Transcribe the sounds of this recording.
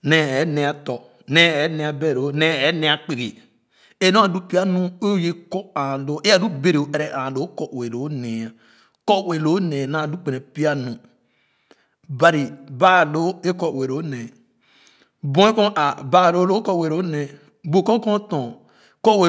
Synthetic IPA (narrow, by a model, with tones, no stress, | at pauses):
nɛ˦ɛ˨˦ne˨a˨tɔ˨ | nɛ˦ɛ˨˦nɛ˨a˨be˦˨ɾo˦nɛ˦ɛ˨˦nɛ˦a˨k͡pi˨ɡe˨ | e˦nõ˦a˨du˦pi˦a˦nũ˦o˦je˦ko˦a˨lo˦e˦a˦˨du˦be˦ɾe˨o˨ʔe˨ɾɛ˦ʔã˨lo˦kɔ˨we˨ɾo˨˦ne˨a˨ | kɔ˦we˨lo˨˦ne˨na˦˨du˦k͡pe˨ne˨pi˦a˦nũ˨ | ba˨ɾi˨ba˦˨lo˦e˦kɔ˦˨we˨ɾo˦ne˨ | bɔ̃˨˦e˦kɔ̃˦ʔa˨ba˦˨lo˦lo˦kɔ˦˨we˨ɾo˦ne˨ | bo˨kɔ̃˦kɔ̃˦tɔ̃˨ | kɔ˦we˨